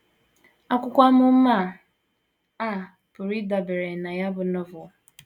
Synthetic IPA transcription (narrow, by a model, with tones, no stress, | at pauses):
a˦kʷʊ˦kʷa˦mʊ˦m̩˦ma˦˨ | a˦˨ | bʊ˨ɾi˦da˨be˨ɾe˨na˨ja˦bʊ˨nɔ˦vɔ˨